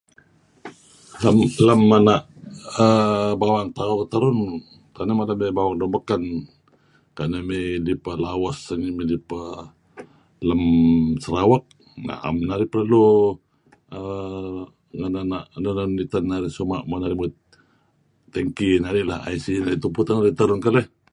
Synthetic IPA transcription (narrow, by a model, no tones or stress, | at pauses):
lamləmːanaʔ | əbawaŋt̪aut̪aɾʊn | kanamalamebawaŋdɔmbəkan | kanəmelipəlawasəŋimidipə | ləmsəɾawak̚ | na̰ʔa̰mnaɾiplalu | ə | ŋananaʔnənanit̪anːaɾisuma̰ʔmanaɾimut̪ | t̪əŋkinaɾilaha̰jsinait̪uput̪anaɾit̪əɾʊnkaləh